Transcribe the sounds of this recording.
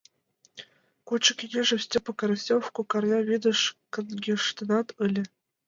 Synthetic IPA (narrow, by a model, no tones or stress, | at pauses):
kot͡ɕːɤ̆kʲenʲeʐɘ̆fsʲtʲɘ̆pɤ̆kɑɾɤsʲofkokɑrnʲɑβʲid̪ɤ̆ʂkɤ̆nɡʲeʂt̪ʲɤ̆nɑt̪ɯlʲɘ̆